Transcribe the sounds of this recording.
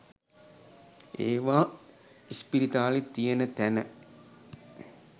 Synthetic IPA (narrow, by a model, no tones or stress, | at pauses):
eːʋaː | ispiɾit̪aːlet̪ijenət̪ænə